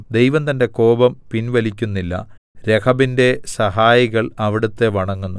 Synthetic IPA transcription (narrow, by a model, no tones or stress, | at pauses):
d̪e̞jʋɐnt̪ɐnde̞ko̞ːbɐmpinʋɐlikʲːunːilːɐ̰ | ɾe̞kʰɐbinde̞sɐɦaːjiɣɐɭɐʋiɽut̪ːe̞ʋɐɳɐŋːunːu